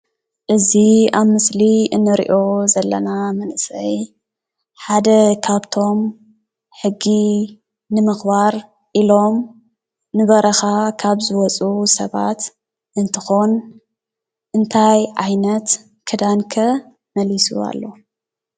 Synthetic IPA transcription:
ʔɨziaβmɨsliɨnːɨɾḭʔo̞zɐlːɐ̰namɐnʔɨsɐj | ħad̪ɐkʰaβt̪ʰo̞m | ħɨɡːi | nɨmɨxbaɾ | ʔilo̞m | nɨβɐɾɐxakʰaβzɨwɔt͡sʼusɐβa̰t̪ | ʔɨnt̪ʰɨ̥xon | ʔɨnt̪ʰajʕajnɐt̪ | kʰɨd̪ankʰɐ | mɐlisṵa̰lːo̞

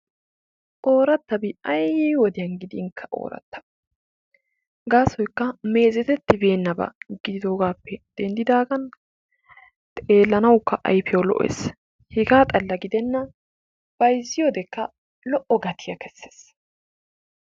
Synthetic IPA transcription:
ʔoːɾɐt̪ːɐbɪɐjiwɔd̪ɪjɐnɡɪd̪ɪɪŋkʰːɐʔo̰ːɾɐ̰t̪ːɐ̥b | ɡaːsɔjkːɐme̞ːzɛt̪ɛt̪ːɪbeːnːɐbɐ̰ɡɪd̪ɪd̪o̞ːɡaːpːɛd̪̥ɛnd̪ɪd̪aːɡɐn | t̪ʼe̞ːlːɐnɐwkːɐʔɐ̰jfɪjɐwlɔ̰ʔɔḛːs | hɪɡaːt̪ʼɐlːɐɡɪd̪ɛnːɐ | b̥ɐjzɪjoːd̪ɛkːɐ | lɔʔɔɡɐt̪ʰɪjɐkɛsːe̥ːs

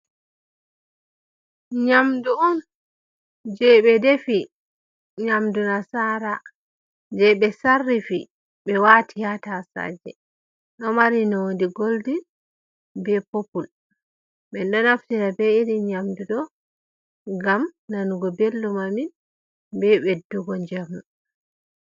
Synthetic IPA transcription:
ɲamduɔn | d͡ʒɛɓɛdefi | ɲamdunasaɾa | d͡ʒɛɓɛsarːifi | ɓɛwatʰihatasa̰d͡ʒɛ̰ | ɗɔmaɾinɔwondiɡoldin | bɛpopul | ɓɛnɗɔnaftiɾabɛiɾiɲamdudɔ | ŋɡamnanuɡɔbelːumamin | bɛɓɛduɡɔɲd͡ʒamu

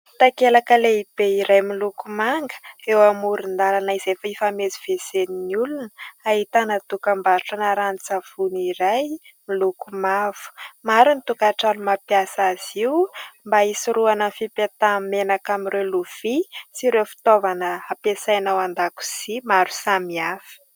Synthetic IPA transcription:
t̪akelakəleib̥eiɾajmilukumaŋɡə̥ewamuɾind̪alanaizefaifameziv̥ezeninulunəaɦit̪anət̪ukambaɾʈ͡ʂanaɾanit͡sav̥uniɾaj | milukumav̥u̥maɾunit̪ukaʈ͡ʂanumapjasaz̥iwmbaisiɾuanənfipet̪amenakamiɾewluv̥isiɾewfi̥t̪ovanəapesajnawand̪aku̥z̥imaɾu̥samiafi̥

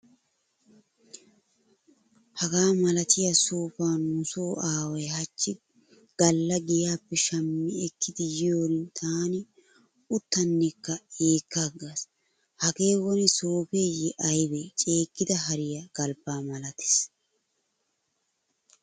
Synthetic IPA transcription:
hɐɡaːmɐlɐt̪ɪjɐsoːfaːnnʊsoːaːwɐjhɐt͡ʃːɪ | ɡ̥ɐlːɐɡɪjaːpːɛʃɐmːɪɛkʰːɪd̪ɪjɪjo̞ːɾɪnt̪ʰaːnɪ | ʊt̪ːɐnːɛkːɐeːkːaɡas | hɐke̞ːwɔnɪsoːpeːjɛʔɐjbet͡ʃʼe̞ːkːɪd̪ɐɦɐɾɪjɐɡ̥ɐlbaːmɐlɐt̪ɪ̥s

